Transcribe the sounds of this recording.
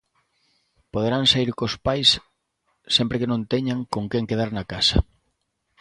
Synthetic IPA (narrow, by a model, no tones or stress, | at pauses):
poð̞eɾaŋsaiɾkospajsː | empɾekenõnt̪eɲaŋkoŋkeŋkeðaɾnakasɐ